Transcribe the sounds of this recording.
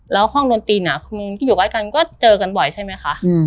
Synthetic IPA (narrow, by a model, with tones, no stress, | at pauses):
lɛː˦˥whɔ˥˩ŋdu˧nt̪iː˧na˨˩mɯ˧ŋ˧kːjuː˨˩aː˧˥˩jka˧nkɔː˥˩t͡ɕɤː˧ka˧nbɔ˨˩jt͡ɕʰa˥˩jma˦˥jxʰa˦˥ʔ